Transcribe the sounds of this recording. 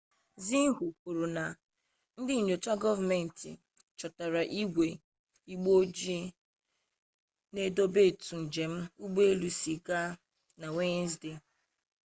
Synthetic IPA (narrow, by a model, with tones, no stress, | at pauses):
zi˦ŋ˦ɦu˨ku˨ɾu˨na˨ | n̩˦dɪ˦˨ɲo˨t͡ʃa˦ɡɔ˦va˨mɛ˨n̩˨tɪ̰˨ | t͡ʃɔ˨ta˨ɾa˨ʔi˦ɡʷe˨ | i˦ɡ͡bo˦d͡ʒi˦ | ne˨do˦be˦˨tu˨n̩˨d͡ʒe˨m̩˦u˦ɡ͡be˦e˦lu˨si˨ɡa˦ | na˨wɛ˦ɲ˦sde˨